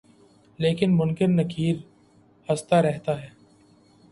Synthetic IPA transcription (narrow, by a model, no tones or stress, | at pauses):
leːkɪnmʊŋkɪɾnɐkʰiːɾ | hɐst̪aɾɛɦt̪aɦɛː